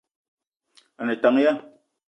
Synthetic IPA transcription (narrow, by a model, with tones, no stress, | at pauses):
a˨nɛ˨ta˨˦ŋ˦ja˦